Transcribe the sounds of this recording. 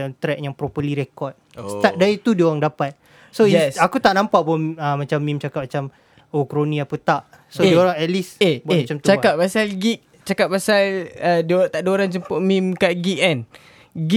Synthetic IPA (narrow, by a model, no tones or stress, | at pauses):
nt̪ɾɛk̚jaŋpɾopəliɾekɔt̪̚sadait̪udioɾaŋdapat̪̚ | soɛsakut̪aʔnãmpaʔpɔəmat͡ʃamːĩmt͡ʃakap̚mat͡ʃam | okɾonĩapət̪aʔ | sodioɾaŋɛt̪lisebemt͡ʃamt̪ut͡ʃakaʔpasalɡik̚ | t͡ʃakaʔ̚pasalədot̪aʔdoɾaŋt͡ʃəmpʊʔmimkaʔɡik̚ɛn | ɡi